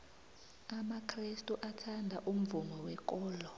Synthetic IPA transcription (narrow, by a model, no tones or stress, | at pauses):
amakʰrestʼuʔatʰandʱaʔum̩vumɔwɛk̬ʼɔːlɔ